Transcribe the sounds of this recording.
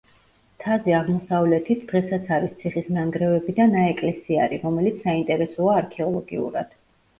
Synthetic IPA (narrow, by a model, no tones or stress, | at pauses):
t̪ʰaziaʁmɔsavlɛt̪ʰit̪ʰd̪̥ʁɛsat̪sʰaɾist̪sʰiχisnaŋɡɾɛvɛbid̪anaɛkʼlɛsia̰ɾiɾɔmɛlit̪sʰsaint̪ʼɛɾɛsɔaːɾkʰɛɔlˠɔɡḭṵɾa̰d̪̥